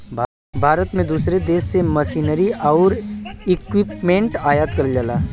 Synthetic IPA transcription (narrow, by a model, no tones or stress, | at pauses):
bʱaːɾət̪mẽd̪uːsɾed̪eːsːeməsiːnəɾiɔːɾɪkwɪpmẽɳʈaːjaːt̪kɐɾd͡ʒəlaː